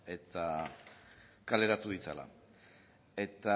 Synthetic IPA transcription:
e̞t̪a | kale̞ɾat̪uðit͡sa̰la̰ | e̞t̪a

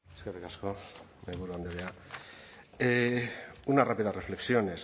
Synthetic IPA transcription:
eskerikasko̞ | meβuɾuand̪eβea | e | unarapiðare̞fle̞ksio̞ne̞s

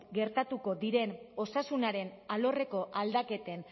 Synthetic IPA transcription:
ɡe̞ɾt̪at̪uko̞ðiɾe̞no̞sasunaɾe̞nalo̞re̞ko̞ʔald̪ake̞t̪e̞n

